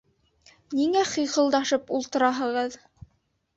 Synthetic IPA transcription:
niŋæχijχɤ̆lˠd̪ɑʃɤpulˠt̪ɤ̆ɾɑɦɤ̆ʁɤð

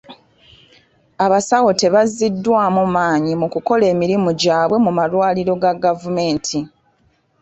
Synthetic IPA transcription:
aβasawo̞te̞βazːidːwaːmumaːɲimukuko̞le̞ːmiɾimuɟaːβwe̞mumalwaːliɾo̞ɡaɡavume̞ːntʰi

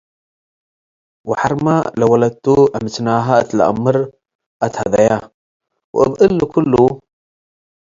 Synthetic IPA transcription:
wɪħɑɾˤmalawalad̪̚t̪uʔamɪt̪naːɦaʔat̪lʔa̰mːɾ | ʔat̪had̪aja | wʔɪ̰bʔəlːukʊlːu

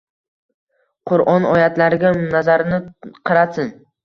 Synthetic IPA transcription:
qʰʊɾɒnɒjat̪laɾɪɡʲanazaɾɪnɪqʰɨɾasɪn

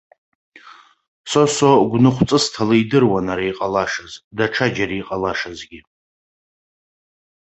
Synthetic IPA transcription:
sosoɡʷnɨχʷt͡sʼɨstʰalaidɨrwanaɾaiqʼalaʂazdaʈ͡ʂʰad͡ʒaɾiːqʼalaʂazɡʲi

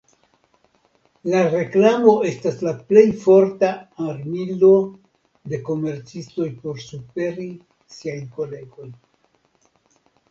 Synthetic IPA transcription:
laɾe̞klamo̞e̞staslaple̞jfo̞ɾtaaɾmilo̞ | de̞ko̞me̞ɾt͡sisto̞jpo̞ɾsupe̞ɾi | siajko̞le̞ɡo̞j

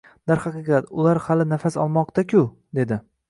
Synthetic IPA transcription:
d̪aɾhɑqɨqʰɑt̪ʊlaɾhalɪnafasɒ̰lˠmɒqt̪ʰakʲʰʊ | d̪e̞d̪ɪ

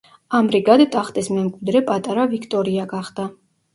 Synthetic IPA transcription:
amɾiɡad̪t̪ʼaχt̪ʼismɛmkʼwid̪ɾɛpʼat̪ʼaɾavikʰt̪ʼɔɾiaɡaχd̪̥a

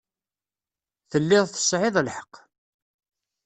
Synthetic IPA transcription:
θəlːɪʁθə̥sʕɪðˤlħə̥qː

